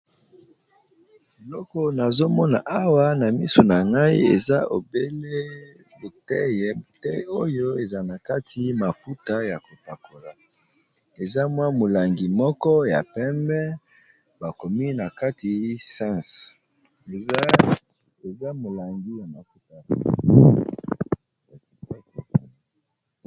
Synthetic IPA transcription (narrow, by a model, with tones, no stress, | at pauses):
e˨lɔ˦kɔ˨na˨zo˦mɔ˦na˨ʔa˦wa˦na˨mi˦so˨na˨ŋɡa˦i˦ḛ˨za˦ʔo̰˨be˦le˦ | bo˨tɛ˦jɛ˦bo˨tɛ˦o˦jo˦e˨za˨na˨ka˦tʰi˨ma˨fu˦ta˦ja˨ko˨pa˨ko˨la˨ | e˨za˦mwa˦mo˨la˨ŋɡi˨mɔ˦kɔ˦ja̰˨pɛ˦mbɛ˦ | ba˨ko˨mi˦na˨ka˦tʰi˨sã˦˨s | e˨za˦mo˨la˨ŋɡi˦ja˨ma˨fu˦ta˨ | a˨a˦˨a˨a˨˦